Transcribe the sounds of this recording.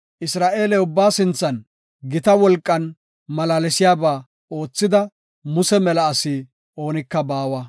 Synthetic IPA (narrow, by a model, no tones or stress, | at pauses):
ʔɪsɾaːʔe̞ːlɛʊbːaːsɪnt͡sːɐn | ɡɪt̪ɐwɔlkʼːɐn | mɐlaːlɛsɪjaːbaː | o̞ːt͡sːɪd̪ɐ | mʊsɛmɛlɐːsiː | o̞ːnɪkːɐbaːwɐ